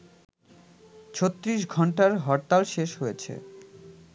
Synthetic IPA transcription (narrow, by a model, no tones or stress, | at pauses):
t͡ɕʰot̪ːɾiʃɡʱɔɳʈaɾɦɔɾt̪alʃeʃɦojet͡ɕʰḛ